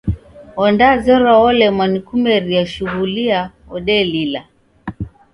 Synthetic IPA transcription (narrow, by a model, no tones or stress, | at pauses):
ɔndazɔɾɔɔlɛmwanikumɛɾiaʃuɣulia | ɔɗɛlila